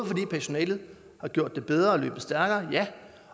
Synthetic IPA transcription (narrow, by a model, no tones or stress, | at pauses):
fɒ̽d̥ḭːpʰæɐso̝nɛ̰ːlð̞̩ˠ | hɑ̈ɡ̥jo̝ɐ̰d̥ːe̝b̥eð̞ˠʁɐɒ̽lø̰ːb̥əsd̥æɐɡ̥ɐːjæ